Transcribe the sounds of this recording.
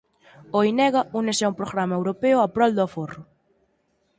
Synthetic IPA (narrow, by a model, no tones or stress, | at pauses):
oinɛɣɐunesɛumpɾoɣɾamɐewɾopeʊapɾɔld̪ʊaforʊ